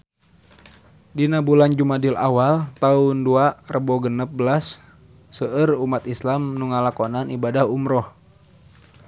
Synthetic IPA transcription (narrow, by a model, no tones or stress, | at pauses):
dinabuland͡ʒumadilʔa̰walt̪aunduarəbɔɡənəp̚bəlasː | əʔərumat̪islamnuŋalakonanibadahumɾɔh